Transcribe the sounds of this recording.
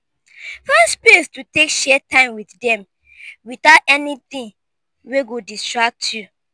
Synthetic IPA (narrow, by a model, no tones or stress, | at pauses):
fɛstpestutekʃɛtãɪ̃mwiθdɛ̃m | wiθaʊtɛnitĩn | weɡodistɹak̚tʰju